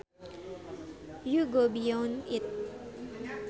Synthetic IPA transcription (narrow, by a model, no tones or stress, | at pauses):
juɡobijɔ̃nɪt̚